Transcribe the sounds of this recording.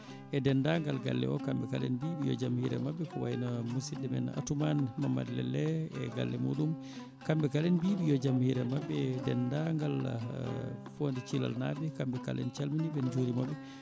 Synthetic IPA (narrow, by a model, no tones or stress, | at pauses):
ɛdɛnːdaŋɡalɡalːɛ̰ɔkambɛkalɛnbiɓijɔ̰d͡ʒamhiɾɛ̰mabːɛkɔwajnamusidɛmɛ̰na̰tumanmamːa̰dlɛ̰lːɛɛɡa̰lːɛmṵɗum | kambɛkalɛnbibijɔd͡ʒamhiɾɛmabːɛdɛndaŋɡal | fondit͡ʃila̰lna̰bɛkambɛkalɛ̰nt͡ʃalminibɛnd͡ʒuɾimabːɛ